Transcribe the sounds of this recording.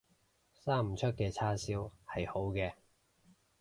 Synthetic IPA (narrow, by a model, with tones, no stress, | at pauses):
saː˥m̩˨˩t͡ʃʰɵ˥t̚kɛː˧t͡sʰaː˥siː˥whɐ˨jho˨˥wkɛː˧